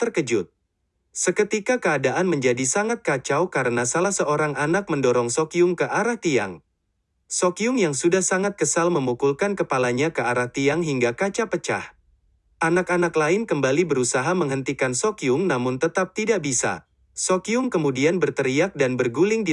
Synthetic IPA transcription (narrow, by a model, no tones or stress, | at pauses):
t̪ərkəd͡ʒʊt̪̚ | səkət̪ikakəadaʔanməɲd͡ʒadisaŋat̪̚kat͡ʃawkaɾənasalahsəoɾaŋanak̚məndɔɾɔŋsɔkiʊŋkəʔaɾaht̪ia̰ŋ | sɔkiʊŋjaŋsudahsaŋat̪̚kəsalməmukulkankəpalaɲakəaɾaht̪iaŋɦiŋɡakat͡ʃapət͡ʃa̰h | ʔanakanaklaɪnkəmbalibəɾusaɦaməŋɦənt̪ikansɔkiʊŋnamʊnt̪ət̪ap̚t̪idaʔbisa̰ | sokiʊŋkəmudianbərt̪əɾiak̚danbərɡulɪŋdi